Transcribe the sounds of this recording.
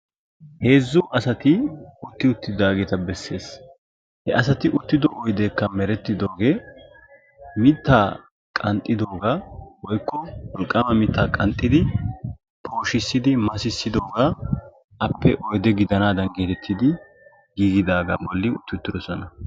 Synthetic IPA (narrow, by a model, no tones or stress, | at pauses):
he̞ːzːʊʔɐsɐt̪ɪʊt̪ːɪʊt̪ːɪd̪aːɡeːt̪ɐbɛsːe̞ːs | hɛʔɐsɐt̪ɪʔʊt̪ːɪd̪ɔʔɔjd̪eːkːɐmɛɾɛt̪ːɪd̪o̞ːɡe̞ː | mɪt̪ːaː | kʼɐnt̪ʼːɪd̪o̞ːɡawɔjkːɔwɔlkʼːɐmɐmɪt̪ʰːaːkʼɐnt̪ʼːɪd̪ɪ | pʰo̞ːʃɪsːɪd̪ɪmɐsɪsːɪd̪o̞ːɡaː | ɐpːɛʔɔjd̪ɛɡɪd̪ɐnaːd̪ɐnɡeːt̪ɛt̪ʰːɪd̪ɪ | ɡiːɡɪd̪aːɡa̰ːbɔlːɪʊ̰t̪ːɪt̪ːɪd̪ɔsɔnɐ